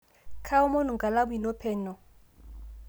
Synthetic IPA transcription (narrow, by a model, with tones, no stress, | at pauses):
kʰa˦ʊ˦mo˦nʊ˨ŋkʼa˨la˦bʊ˦i˨nɔ˦pʰɛː˨nɔ˨